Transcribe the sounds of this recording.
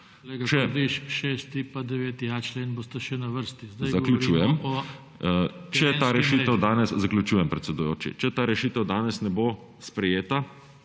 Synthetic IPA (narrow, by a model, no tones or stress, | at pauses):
lekt͡ʃɛd̪iʃʃest̪ipad̪ɛʋeːt̪iat͡ʃleːnbost̪ɐʃɛnɐʋəɾst̪izd̪ɐzakljut͡ʃuːjɛm | t͡ʃɛt̪aɾɛʃiːt̪əwd̪aːnɛszakljut͡ʃuːjɛmpɾɛt̪sɛd̪ujo̰ːt͡ʃḭt͡ʃɛt̪aːɾɛʃiːt̪əwd̪aːnɛsnɛbo | spɾɛjeːt̪a